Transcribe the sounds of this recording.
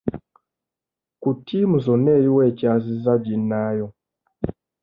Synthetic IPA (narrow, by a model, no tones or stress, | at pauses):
kutimuzɔnɛjiwɛt͡ʃazizad͡ʒinaːjɔ